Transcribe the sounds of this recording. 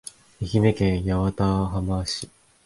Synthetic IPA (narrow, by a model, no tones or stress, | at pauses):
içime̞kẽɰ̃jaβat̪aɦamaːɕi